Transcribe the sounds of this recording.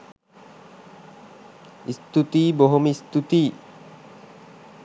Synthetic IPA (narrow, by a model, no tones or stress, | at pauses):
ist̪ut̪iːboɦomist̪ut̪iː